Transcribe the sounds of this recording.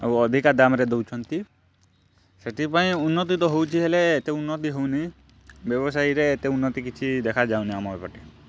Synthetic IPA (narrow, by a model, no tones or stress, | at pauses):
ḛwɔd̪ʱikad̪amɾed̪owt͡ʃʰɔnt̪i | seʈipaĩunːɔt̪̬it̪ɔɦowt͡ʃʰiɦeleːt̪eunːɔt̪̬iɦowni | bjɔβɔs̬ajɾeːt̪eunːɔt̪ikit͡ʃʰid̪ekʰad͡ʒawniamɔbepɔʈi